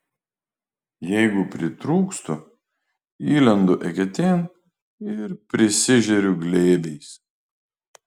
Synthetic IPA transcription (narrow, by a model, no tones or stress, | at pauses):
jɛɪɡʊpʲɾʲɪt̪ɾuːkst̪ʊ | iːlʲɛnd̪ʊʔɛkʲɛt̪ʲeːn | ɪɾpʲɾʲɪsʲɪʒʲɛɾʲʊɡlʲeːbʲɛɪs